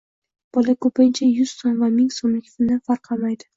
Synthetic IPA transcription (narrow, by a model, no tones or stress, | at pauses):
b̥ɒlakʰɵpant͡ʃʰajʊz̥sonvamɪŋsomlɪkʲfɪnɪfaɾqʰɑmajd̪ɪ